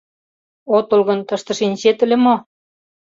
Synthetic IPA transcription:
ot̪ŏlɣɤ̆nt̪ɤ̆ʃt̪ɤ̆ʃenʲɕet̪ə̆lʲemo

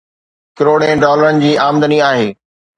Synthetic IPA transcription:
kɪɾoːɽẽɖɔːləɾənɪ̆d͡ʑiːaːmd̪əniaːɦeː

